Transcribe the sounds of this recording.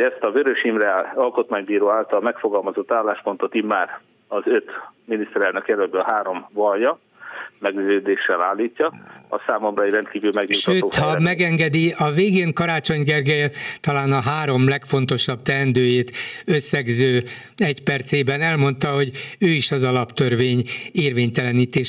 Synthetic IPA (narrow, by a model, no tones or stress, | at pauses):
ɛst̪ɒvøɾøʃimrɛɒlko̞t̪maːɲbiːɾoːaːlt̪ɒlmɛkfoɡɒlmɒzo̞t̪ːaːlːaːʃpo̞nt̪o̞t̪imːaːr | ɒzøt̪minist̪ɛɾɛlnɛkjɛlølbøɦaːɾo̞mvɒljɒ | mɛɡzøːd̪eːʃːɛla̰ːlːiːcːɒɒ̰saːmomrɒirɛnt̪kiːvylmɛɡʋitʃøːoːhɒmɛɡɛŋɡɛd̪iɒveːɡeːŋkɒɾaːt͡ʃo̞ɲɡɛrɡɛjɛt̪ɒlaːnɒɦaːɾo̞mlɛkfo̞nt̪o̞ʃɒbt̪ɛnd̪øːjeːt̪øsːɛɡzøː | ɛcpɛrt̪seːbɛnɛlmo̞nt̪ɒɦo̞ɟøːiʃɒzɒlɒpt̪ørveːɲeːrveːɲt̪ɛlɛniːt̪eːʃ